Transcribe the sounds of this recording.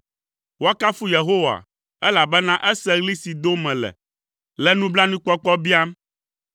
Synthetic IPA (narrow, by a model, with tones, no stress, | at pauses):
wo˦a˦ka˦fu˦je˨ɦo˦wa̰˨ | ɛ˦la˨bɛ˦nã˦ʔɛ˦sɛ˦ɣli˦si˨d̪o˦mɛ̃˨lɛ̰˨ | lɛ˦nũ˦bla˦nũ˦k͡pɔ˦k͡pɔ˦bi˦a˦m